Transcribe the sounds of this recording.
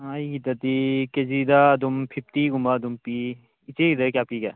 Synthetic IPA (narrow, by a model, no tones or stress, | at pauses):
ajɡid̪ɐt̪iked͡ʒid̪aːd̪umpʰip̚ʰt̪iɡumbad̪umpiː | t͡ʃeɡid̪ɐkʲjapika̰